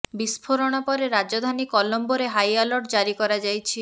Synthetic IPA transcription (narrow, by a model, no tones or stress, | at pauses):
bispʰoɾɔɽ̃ɔpɔɾeɾad͡ʒɔd̪ʱanikɔlɔmboɾeɦajalɔʈd͡ʒaɾikɔɾad͡ʒajt͡ʃʰi